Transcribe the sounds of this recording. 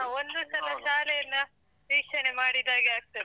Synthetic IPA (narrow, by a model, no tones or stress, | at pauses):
aond̪usɐlɐʃaːlɛjɐnːɐ | ʋiːkʂɐnemaːɽid̪aːɡeaːk̚t̪ɐde